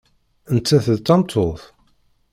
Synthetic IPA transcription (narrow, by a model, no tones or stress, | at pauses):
ənt͡s̪ːæθəðt̪ːɑmt̪ʰoθ